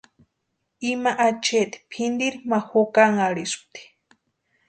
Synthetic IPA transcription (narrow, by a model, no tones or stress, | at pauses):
imaʔat͡ʃet̪i̥pʰind̪iɾimaxokaŋaɽisu̥t̪i̥